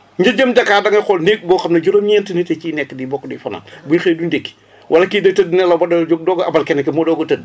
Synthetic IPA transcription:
ɲɟɐɟəmɟɐkːaːdɐŋɐxɔlnek̚bɔːxɐmnɐɟoɾomɲɛːntənitɛt͡ʃiːnɛkːədiːbɔkːdifɐna̰buɲxeːjdundekːi̥ | wʔɐlɐkidətədinɛlɐbɐdɐɟoɡ̚dɔːɡɐbɐlkɛnɐkɛmɔdɔːɡɐtəd̚

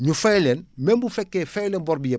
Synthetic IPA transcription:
ɲufɐjlɛːnmɛmbufɛkːɛːfɛjlɛnbɔɾbijɐ

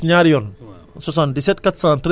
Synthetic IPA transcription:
ɲaɾjɔn | sɔs̬andisɛt̚kat̪santɾ

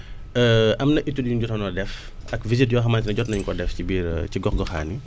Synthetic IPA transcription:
əʔɐmnɐʔitːudjuɟɔtɔnɔdɛf | ʔɐkvizit̚jɔːxɐmaːntinɐɟɔtnɐɲuŋkɔdɛfcibiːɾciɡɔxɡɔxa̰ːni

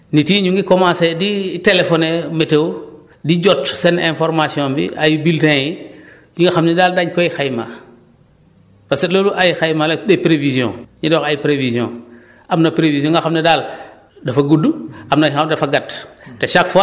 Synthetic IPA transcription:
nitiːɲuŋɡikomãːseditelefɔnemetew | did͡ʒɔtsenẽnfɔɾmasiɔ̃mbḭʔajibiltẽji | ɲuŋɡɐxamnidaːldaɲkojixajma̰ | paseloluʔajixajmaledepɾevizjɔ̰̃ɲidɔːkajipɾevizjɔ̰̃ | amnɐpɾevisijɔ̃ŋɡɐxamnidaːl | dɐfɐɡuduamnaadɐfɐɡɐtteʃakfa

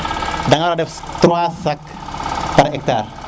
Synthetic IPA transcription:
daŋaɾadɛfst̪ɾuasak | padaɛk̚t̪ar

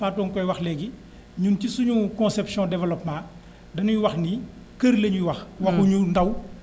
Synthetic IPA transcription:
faːtɔːnkɔjwɐxlɛɡi | ɲuncisuɲukɔ̃sɛpsjɔ̃dɛvɛlɔpmãː | dɐnuɲuwɐxni | kəɾlɐɲujuwɐxwɐxuɲundɐw

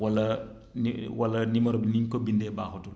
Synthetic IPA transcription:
wɐlːɐ | n̰wɐlɐnimɐɾɔbiniɲkɔbindɛbaːxutul

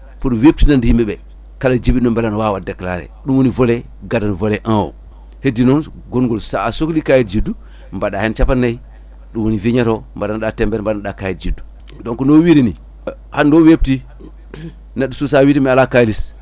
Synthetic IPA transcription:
puɾwep̚tinandijimeɓe | kalad͡ʒibinombalanwawadekːla̰ɾḛɗumwonivole | ɡadanvoleʔãwo̰ | hedinon | ɡonɡolsaːsoklikajit̚d͡ʒidːu | mbaɗahent͡ʃapanːai | ɗuwoniviɲaɾombadanɗatembeɾmbadanɗakajitd͡ʒidu | doŋkunowiɾini | handoːwep̚ti | naɗususawiɾimialakajlis

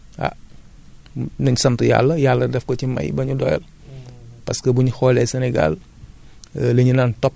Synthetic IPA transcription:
a̰ | nɐɲusɐmtuja̰lːɐjalːɐdɛfkɔcimɐ̰jbɐɲudɔ̰jɛ̰l | pɐskəbuɲxɔːlɛsɛnɛɡa̰l | leɲinaːntɔp̚

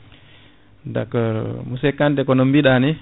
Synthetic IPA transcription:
da̰kɔɾmusɛkːantɛkɔnɔmbiɗanɛ

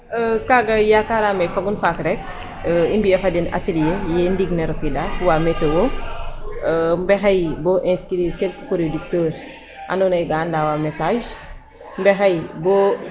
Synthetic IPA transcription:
əkaɡɐjakaɾamefaɡunfakɾɛk̚ | əimbiɛfadina̰telijejɛndiɡneɾokidafuwaːmɛtewo | əmbɛxajboʔɛ̃skiɾiɾkel̚kikoɾedik̚təːɾ | ʔa̰nunɐjɡandaːwamesaʒ | mbɛxɐjbo

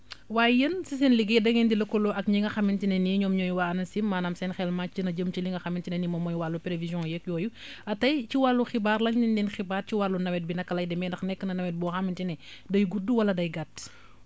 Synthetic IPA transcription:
waːjjənsisɛnliɡedɐŋɛndilɐkɔlɔʔɐkɲiŋɡɐxɐmintinɛniɲɔːmɲɔːjuwanɐsimːaːnaːmsɛnxɛlmacinɐd͡ʒəmt͡ʃiliŋɡɐxɐmintinɛnimɔmɔjwalːupelevizjɔ̃jɛkjɔːjuɐtɐjciwalːuxibaːrlɐɲindɛnxibaːrciwalːunɐwɛt̚binɐkːɐlɐjdɛmɛndɐxnɛkːənɐnɐwɛt̚bɔːxɐmintinɛ | dɐjɡuduwɐlɐdɐjɡat

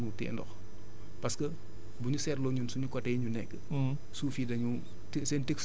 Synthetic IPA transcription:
nutɛ̰ːndɔ̰x | pɐskə | buɲusɛːrlɔɲunsuɲukɔtɛːɲunɛkːə | suːfiːdɐɲu | tsɛːnteks

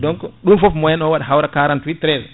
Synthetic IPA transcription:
dɔŋkɔɗunfɔfmɔjɛnɔwaɗaɦawɾakaɾantwitɾɛz

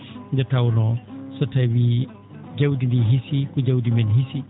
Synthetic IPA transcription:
d͡ʒɐtawnɔsɔtɛwi | ɟawdindiɦisikuɟɐwdimɛnɦisi

